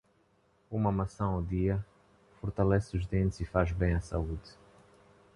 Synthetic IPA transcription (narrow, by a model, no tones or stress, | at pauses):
umɐmɐsɐ̃w̃awd̪iɐ | fɔɾt̪alɛsuʒd̪ẽnt̪zifaʒbẽj̃ɐsa̰ud̪